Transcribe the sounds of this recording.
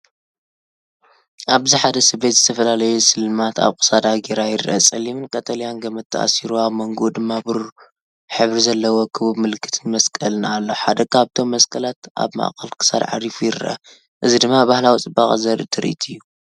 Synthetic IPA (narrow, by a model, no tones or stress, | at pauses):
ʔaβziħad̪ɐsɨbe̞t̪zɨt̪ʰɐfɐlalɐjusɨlmat̪ʰa̰βkʼɨ̥sad̪aɡeɾajɪɾʔɐt͡sʼɐlːimɨnkʼɐt̪ʰɐlijanɡɐmɐt̪ʰːɐʔa̰siɾuaβmɐŋɡod̪ɨmːabɨɾu | ħɨβɾizɐlːɐwokʰɨβuβmɨlɨkʰːɨ̥t̪ʰɨnmɐskʼɐlɨnalːo̞ħad̪ɐkʰaβt̪ʰo̞mːɐskʰʼɐlat̪ʔa̰βma̰ʔkʰʼɐlkʰɨ̥sa̰d̪ʕa̰ɾifujɪɾʔɐ̰ | ʔɨzid̪ɨmːabahlawit͡sʼɨbaχʼzɐɾɨt̪ʰɨɾ̰ʔḭt̪ʰɨjːu